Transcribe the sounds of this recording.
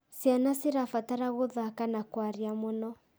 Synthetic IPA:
sjanasiɾafataɾaɣoðakanakwaɾiamonɔ

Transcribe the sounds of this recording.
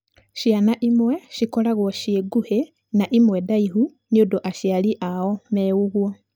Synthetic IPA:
ʃianaʔimwɛʃikɔlaɣwɔʃieɡuhe | naʔimwɛdaiɦu | niodoʔaʃialiʔaɔmɛuɣwɔ

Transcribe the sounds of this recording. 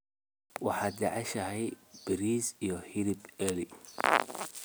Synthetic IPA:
wɑħɑːd͡ʒɑʕɛʃɐɦɛjbɪɾiːsijɔhɪɾɪbɛli

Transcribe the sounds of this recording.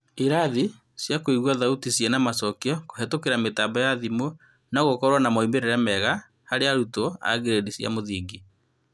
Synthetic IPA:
iɾaði | sjakoiɣwaðautisjɛnamasɔkiɔko̥hɛtokeɾametabajaðimo | naɣokɔɾwanamɔimeɾeɾɛmɛɣa | haɾeaɾutoa̰ɡeɾedisja̰moðiːɡi

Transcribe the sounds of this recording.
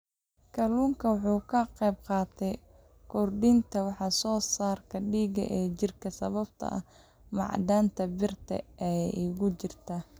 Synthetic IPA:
kʰɐluːŋkʰɐwɑħuːkʰɐqɛjb̚qɑːt̪ʰɛj | kʰɔrɖɪnt̪ʰɐwɑħɑsɔːsaːrkʰɐɖiːɡɐ̰ʔɛːt͡ʃɪrkʰɐsɐβɐbt̪ʰɐ̰ʔɐ | mɑ̰ʕd̪aːnt̪ʰɐbɪrt̪ʰɐ̰ʔɛʔɪɣʊt͡ʃɪrt̪ʰɐ

